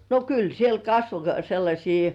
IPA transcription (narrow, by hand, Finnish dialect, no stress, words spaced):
no kyl siel kɑsʋo selːɑsʲiː